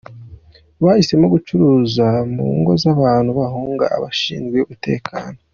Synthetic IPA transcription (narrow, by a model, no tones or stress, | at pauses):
βahise̞mo̞ɡut͡ʃuɾuːzamṵŋɡo̞zaβaːn̥huβaɦuːŋɡa̰a̰βaʃḭːnɡweumute̞̰ːkʰa̰ːno̞